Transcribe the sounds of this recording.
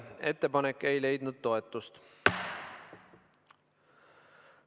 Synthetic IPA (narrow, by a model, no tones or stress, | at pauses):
e̞t̪ːe̞pɑnekːˑe̞jle̞jd̪̥nud̪̥̚t̪o̞e̞t̪ːˑust̪